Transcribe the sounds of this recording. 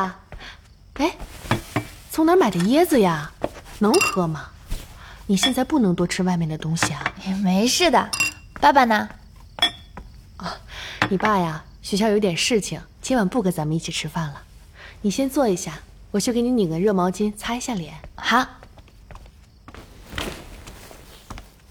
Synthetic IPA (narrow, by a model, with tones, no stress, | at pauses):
e˥˩ɪ | t͡sʰʊ˧˥ŋna˧˥ma˨˩ɪd̪ə˦jɛ˥d͡zɹ̩˨ja˩nɤ˧˥ŋxɤ˧˥mɐ˩ | ni˨˩ɕjɛ˥˧nt͡sa˥˧ɪpu˥˩nɤ˧˥ŋt̪wɔ˥ʈ͡ʂʰɻ̩˥wa˥˧ɪmjɛ˥˩nd̪ə˩t̪ʊ˥ŋɕi˨˩a˩˧˩me˧˥ɪʂɻ̩˥˩d̪ə˩ | pa˥˩ba˨nə˩ | ɔ˥˩ni˨˩pa˥˩ja˨˩ | ɕɛ˧˥˩ɕjjʊt̪jɛ˨˩nʂɻ̩˥˩t͡ɕʰi˨˩ŋt͡ɕʰi˧˥nwa˨˩npu˥˩ke˧˥ɪt͡sa˧˥mə˧ni˥˩t͡ɕʰi˨˩ʈ͡ʂʰɻ̩˥fa˥˩nlə˩ | ni˨˩ɕjɛ˥nt͡swɔ˥˩i˧˥ɕja˥˩wɔ˨˩t͡ɕjo˥˩kni˧˥ni˨˩kə˧˥˦ɻɤ˥˩mɑ˧˥ʊt͡ɕi˥nt͡sʰa˥i˧˥ɕja˥˩ljɛ̰˨˧˩nxa˧˥